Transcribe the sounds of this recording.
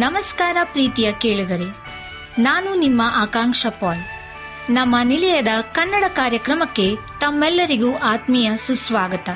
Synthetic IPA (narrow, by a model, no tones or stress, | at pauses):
nɐmɐskaːɾɐpɾiːt̪ijɐkeːɭid̪ɐɾe | naːnunimːɐʔaːkaːŋʂɐpaːl | nɐmːɐnilɛjɐd̪ɐkɐnːɐɽɐkaːɾjɐkɾɐmɐkːe̞t̪ɐmːɛlːɐɾiɡuʔaːt̪mijɐsusʋaːɡɐt̪ɐ